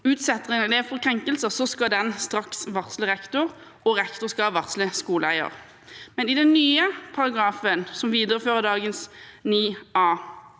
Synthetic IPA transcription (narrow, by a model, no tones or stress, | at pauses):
ʉːt̪sɛt̪ːʁənɛleːʋfɔʁkʰʁɛŋkəlsəsɔskɑd̪ɛnst̪ʁɑksʋɑʁsləʁɛkt̪ʊʁ | ɔʁɛkt̪ʊskɑɑʋɑʁt̪sləskuːləæ̰ɪə̰ʁ | mɛnɪd̪ɛnːyːəpʰɑʁɑɡʁɑːfənsɔmʋiːd̪əʁəføːʁəd̪ɑːɡənsniːɑː